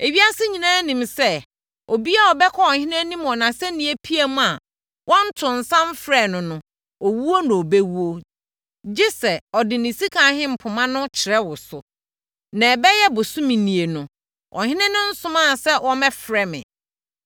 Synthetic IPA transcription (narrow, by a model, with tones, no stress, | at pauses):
e˨ɥi˦a˦sɪ˦ɲĩ˨nãː˦nĩ˨msɛ˦ | o˨bi˦a˦ɔ˨bɛ˦kʰɔ˦ɔ˨hɪ̃˦nɛ̃˦nĩ˦mɔ˨nã˨sɛ˦nĩ˨e˦pʰi˦e˦mʊ̃˦a˨ | wʔɔ̃˦n̩˦tʰʊ̃˨n̩˨sã˦m˦fɾɛ˦˨nʊ̃˨nʊ̃˨ | ɔ˨wu˦wo˦nʊ̃˨o˨be˦wu˦o˦ | d͡ʑɪ˦sɛ˨ɔ˨dɪ˨nɪ̃˨si˦kʰã˨˦ɦɪ̃˦m̩˨pʰʊ˨mã˦nʊ̃˦t͡ɕʰɪ˨ɾɛ˦wʊ˨sʊ˨ | nã˨bɛ˦jɛ˦bʊ˨sʊ̃˦mĩ˨nĩ˨e˨nʊ̃˨ | ʔɔ̰˨ɦɪ̃˦nɛ̃˦nʊ̃˦n̩˦sʊ̃˦mã˦˨sɛ˦wʔɔ̃˦mɛ˦fɾɛ˦mɪ̰̃˨